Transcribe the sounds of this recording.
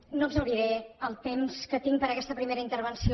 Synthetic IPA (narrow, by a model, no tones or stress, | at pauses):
noəbzəwɾiɾeəlˠt̪emskət̪iŋpəɾəkɛst̪əpɾimeɾəint̪əɾβ̞ənsi